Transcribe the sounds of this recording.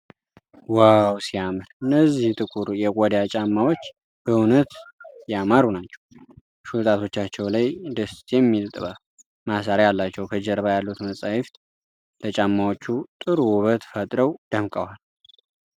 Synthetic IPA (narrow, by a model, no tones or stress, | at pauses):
wawsijamɨɾɨnːəzːiht̪ʼɨkʼuɾjɛkʼɔd̪at͡ʃʼamːawot͡ʃː | bəunət̪jamaɾunat͡ʃːɛ̥w | ʃut̪ʼat̪ʰo̞t͡ʃːat͡ʃːɛwlajd̪əst̪ʰjɛmːilt̪ʼβa | masaɾajalːat͡ʃːɛwkʰəd͡ʒɛɾβajalːut̪məsʼajɪft̪ʼ | lət͡ʃʼamːawot͡ʃːut̪ʼɨɾwuβət̪fət̪ʼɾəwd̪əmkʼəwal